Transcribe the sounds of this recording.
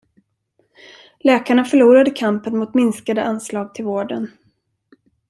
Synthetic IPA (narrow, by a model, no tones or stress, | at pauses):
lɛːkaɳafœɭuːɾad̪əkʰampənmʊt̪mɪnskad̪əʔanslɑːɡ̚t̪ʰɪlvoːɖən